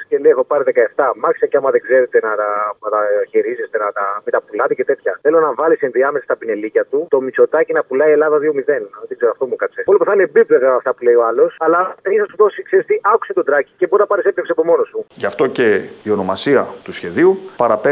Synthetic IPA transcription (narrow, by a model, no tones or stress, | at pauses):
scelejxopɐɾiðekɐeft̪ɐmɐxisɐceɐmɐðeɡze̞ɾet̪enɐt̪ɐɐt̪ɐçiɾizest̪enɐt̪ɐmit̪ɐpulɐt̪ecet̪e̞t̪çɐθe̞lo̞nɐvɐlisinðiɐmesɐst̪ɐpine̞licɐt̪ut̪o̞miso̞t̪ɐcinɐpulɐie̞lɐðɐðio̞miðenðt̪eɡze̞ɾoɐft̪o̞mukɐt͡seolipeθɐinebipleɣɐft̪ɐpule̞io̞ɐlo̞sɐlɐisɐst̪uðo̞sikseist̪iʔɐku̥se̞t̪o̞d̪ɾɐci̥ceboɾinɐpɐɾisept̪fsɐpo̞mo̞nosuʝɐft̪o̞ce̞io̞no̞mɐsiɐt̪usçe̞ðiupɐɾɐp